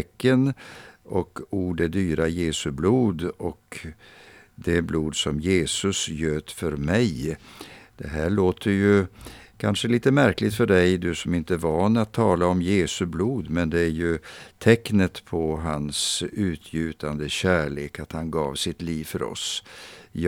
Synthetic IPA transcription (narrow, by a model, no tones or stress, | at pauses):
ɛkːənɔkuːɖæɖyːɾajeːsɵbluːd̪ɔk | d̪ɛbluːd̪sɔmjeːsɵsjøːt̪fœɾmɛj | d̪̥ɛɦæːɭoːt̪ʰəɾjɵkʰanʂəliːt̪əmæɾklɪt̪fœɖɛjd̪ɵsɔmɪnt̪əvɑːnːat̪ʰːɑːlaɔmjeːsɵbluːd̪mɛnd̪ɛæɾjɵt̪ʰɛknət̪pʰɔɦansʉ̟ːt̪ʰjʉ̟ːt̪ʰand̪əɕæːɭeːkat̪hanɡɑ̰ːvsɪt̪liːvfœɾɔ̰s | j